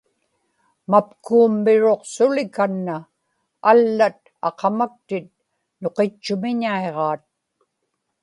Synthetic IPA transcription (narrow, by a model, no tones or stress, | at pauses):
mapkuːmːɪɻo̞qsʊlɪkanːaː | lːat̪̚ | ɑ̰qɑmak̚t̪ɪt̪̚ | no̞qet͡ʃːʊmɪɲaeʁɑːt̪̚